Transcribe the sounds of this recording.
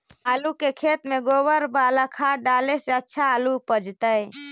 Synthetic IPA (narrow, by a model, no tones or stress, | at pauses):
alukekʰet̪meɡobəɾbaləkʰaɖaleseətːʃʰaːlupəd͡ʒt̪əj